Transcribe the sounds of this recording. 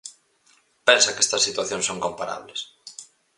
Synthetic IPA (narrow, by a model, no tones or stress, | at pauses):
pensɐkest̪ɐsːit̪waθjõnsoŋkompaɾa̰βles